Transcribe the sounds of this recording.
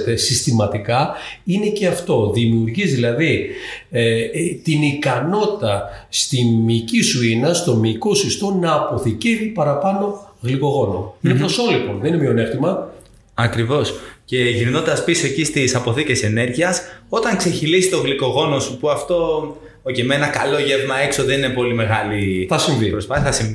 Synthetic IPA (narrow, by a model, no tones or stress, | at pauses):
t̪esist̪imɐt̪ikɐ | ine̞ce̞ɐft̪o̞ðimiuɾʝizðilɐði | t̪inikɐno̞t̪i̥t̪ɐst̪imicisuinɐst̪o̞miko̞sist̪o̞nɐːpo̞θice̞vipɐɾɐpɐno̞ɣliko̞ɣo̞no̞̰inepɾoso̞liponðeninemjone̞ft̪imɐ | ɐkɾivo̞sce̞ʝinnod̪ɐspiso̞ecist̪isɐpo̞θice̞se̞ne̞ɾʝiɐso̞t̪ɐŋkse̞çilisi̥t̪o̞ɣliko̞ɣo̞no̞supuɐft̪o̞ | ocemenɐkɐlo̞ʝevmɐe̞kso̞ðe̞ninepo̞lime̞ɣɐliθɐsiɱvipɾosɐɐsi